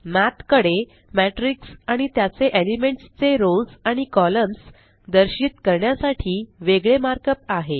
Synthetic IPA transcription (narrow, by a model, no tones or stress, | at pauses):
mat̪kəɽe | mæʈɾiksaɽ̃it̪jat͡seʔelimeɳʈst͡seɾolsaɽ̃ikɔləms | d̪əɾɕit̪kəɾɳjasaʈʰiːʋeɡɭemaɾkəp̚aɦe